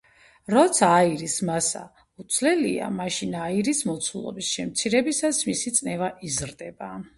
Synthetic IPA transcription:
ɾɔt̪sʰaːiɾismasa̰ | ut̪sʰlɛlḭa̰maʃinaiɾismɔt̪sʰulˠɔ̰bisʃɛmt̪sʰiɾɛbisasmisit̪sʼnɛvaʔizɾd̪ɛba

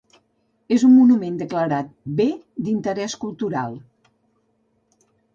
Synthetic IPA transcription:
ezummunumend̪əkləɾat̪̚be | d̪int̪əɾɛskulˠt̪uɾa̰lˠ

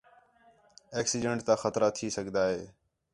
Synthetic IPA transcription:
eːksiːɖeɳʈt̪ãːxət̪ɾaːt̪ʰiːsəɡʱd̪aːɦeː

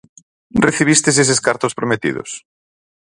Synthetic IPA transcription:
reθiβ̞ist̪es̬es̬eskaɾt̪ospɾomet̪ḭðo̰s

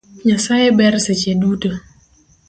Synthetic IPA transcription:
ɲasajɛbɛɾsɛt͡ʃedutə

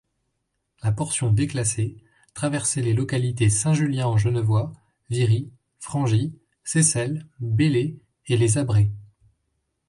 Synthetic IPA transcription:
lapɔʁsjɔ̃d̪eklase | t̪χavɛʁsɛlelɔkalit̪esɛ̃ʒyljɛ̃ɑ̃ʒənvwa | viʁi | fχɑ̃ʒi | sesɛlbele | elezabʁe

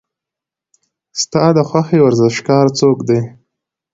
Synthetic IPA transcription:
st̪ɑd̪əxwaxewaɾzɪʃkɑɾt͡sokd̪e

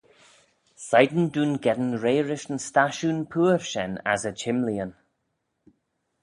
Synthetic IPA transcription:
sajd̪n̩duːnɡɛdənɹeːɹɪʃən̩staʃuːnpʰuːɹʃɛna̰zət͡ʃʰɪmliən

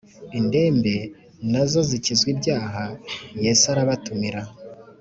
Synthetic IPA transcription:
inde̞ːmbe̞ | nazo̞zicizɡwibɟaːɦajesaɾaβatumiɾa

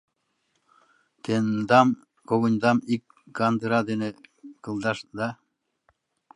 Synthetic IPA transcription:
t̪end̪ɑm | koɣɤnʲd̪ɑmik | ɡɑnd̪ɯɾɑd̪enekɯlˠd̪ɑʃd̪ɑ

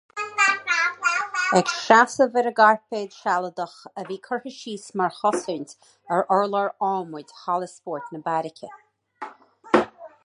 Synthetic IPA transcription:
ɛkʃasəvɪɾəɡaɹpeːd̪ʃalˠəd̪əxəviːkʰəɹhəʃiːsmaɹxɔsənt̪ | əɹɔɹləɹɔːmʊdʲhalˠəspɔːɹt̪nəbaɾɪkʲʰə̰

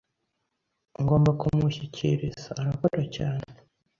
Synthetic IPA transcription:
ŋɡo̞ːmbakumuçicḭɾizaːɾako̞ɾacaːne

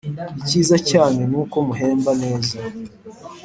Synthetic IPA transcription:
iciːzacaːne̞nuːko̞muɦeːmbane̞ːza

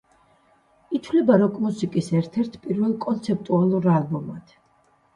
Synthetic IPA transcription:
it̪ʰvlɛbaɾɔkʼmusikʼisɛɾt̪ʰɛɾt̪ʰpʼiɾvɛlˠkʼɔnt̪sʰɛp̚t̪ʼualˠuɾalˠbɔmad̪̥

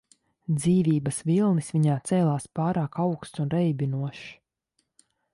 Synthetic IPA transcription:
d̪ziːvʲiːbɐsvilˠnisviɲaːt̪sɛːlˠaːspɑːɾaːkawkst̪unɾɛjbʲinuɔʃ

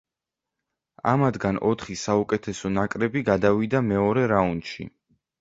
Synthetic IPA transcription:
a̰mad̪ɡanɔt̪ʰχisaukʼɛt̪ʰɛsɔnakʼɾɛbiɡad̪avid̪amɛɔɾɛɾaund̪ʃḭ

